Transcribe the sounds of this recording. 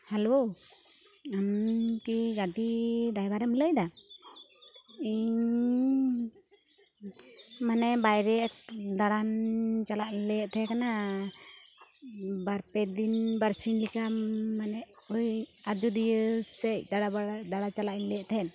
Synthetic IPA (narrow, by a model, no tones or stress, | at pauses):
hɛlo | amkiɡaʈiɖajbaɾɛmləjd̪a | iɲ | manɛbajɾɛk̚d̪aɽant͡ʃalaʔlɛjɛʔt̪ʰɛkana | baɾpɛd̪inbaɾsinlikamanɛ | ujad͡ʒud̪ijəsɛc̚d̪aɽaad̪aɽat͡ʃalaʔinlɛjɛʔt̪ʰɛn